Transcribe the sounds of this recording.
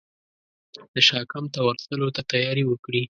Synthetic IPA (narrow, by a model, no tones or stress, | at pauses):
d̪̥əʃɑkamt̪awaɾt̪əlot̪at̪ajɑɾiwəkɽi